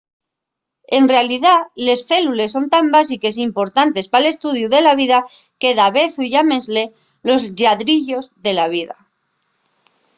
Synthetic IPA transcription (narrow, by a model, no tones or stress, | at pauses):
e̞nrealiðale̞sθe̞lule̞sːo̞nt̪ambas̬ike̞s̬impo̞ɾt̪ant̪e̞spale̞st̪uð̞juðe̞laβiðake̞ðaβe̞θuʝame̞zle | lo̞zʎaðɾiʎo̞zðe̞laβ̞iða